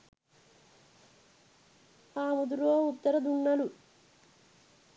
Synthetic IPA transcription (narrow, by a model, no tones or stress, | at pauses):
aːmud̪uloːut̪ːɐɾɐd̪uɳːɐlu